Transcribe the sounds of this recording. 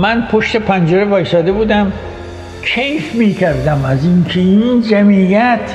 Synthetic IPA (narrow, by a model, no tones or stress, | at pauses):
mænpʰoʃt̪e̞pʰænd͡ʒeɾebɒːjsɒːd̪ebuːd̪æm | kʰejfmiːcʰæɾd̪æmæzinkʰeind͡ʒæmijæt̪ʰ